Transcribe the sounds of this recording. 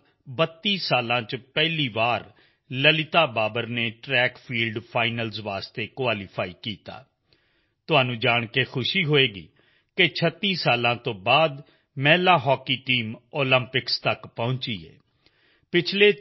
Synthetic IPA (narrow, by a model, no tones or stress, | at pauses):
bət̪ːiːsaːlãːt͡ʃpɛːɦliːʋaːɾ | ləlɪt̪aːbaːbəɾneːʈɾɛːkpʰiːlɖpʰaːɪnəlzʋaːst̪eːkʋaːliːpʰaːiːkiːt̪a̰ː | t̪ʊɦaːnũːd͡ʒaːɳ̃keːxʰʊʃiːɦoːeːɡḭː | ket͡ʃʰət̪ːiːsaːlãːt̪õːbaːd̪ | mɛːlaːɦɔːkiːʈiːmoːlə̃mpɪkst̪əkpɔ̃ʊɲt͡ʃiːɛ̰ː | pɪt͡ʃʰleː